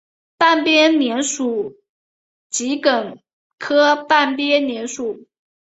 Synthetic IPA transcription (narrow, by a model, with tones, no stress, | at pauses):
pa˥˩npjɛ˥njɛ˧˥nʂu˨˩˦ | t͡ɕi˧˥kə˨˩n | kʰɤ˥pa˥˩npjɛ˥njɛ˧˥nʂu˨˩˦